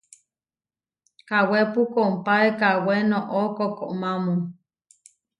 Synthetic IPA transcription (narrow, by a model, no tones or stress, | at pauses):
kawepukoumpaekawenoʔokokoʔmamun